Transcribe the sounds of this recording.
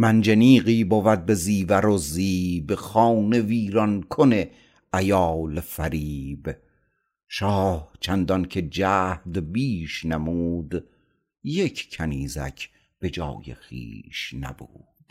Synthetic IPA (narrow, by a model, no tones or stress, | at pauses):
mænd͡ʒeniːɣiːbovæd̪̚be̞ziːvæɾoziːbxɑːne̞viːɾɒnkʰone | æjɑːlefæɾiːb | ʃɒːht͡ʃʰænd̪ɒncʰed͡ʒæːhd̪biːʃnæmuːd̪ | jekʰkʰæniːzæ̰cʰ | b̥e̞d͡ʒɒ̰ːjḛxḭːʃnæ̰bṵːd̪̥